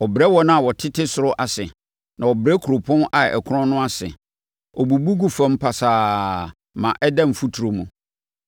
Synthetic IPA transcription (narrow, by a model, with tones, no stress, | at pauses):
ɔ˨bɾɛ˦wɔ˦nã˦a˨wɔ˨tʰɪ˦tʰɪ˦sʊ˨ɾʊ˦ʔa˨sɪ˨ | nʔã˨wɔ˨bɾɛ˦kʰu˨ɾo˨pʰʊ̃˦na˨ɛ̰˨kʰʊ˦ɾɔ̃˦nʊ̃˦a˦sɪ̰˨ | ɔ˨bu˨bu˦ɡu˦fã˦m̩˦pʰa˨saː˨ | mã˨ʔɛ˦dã˦m̩˨fu˦tʰu˨ɾo˨mũ˨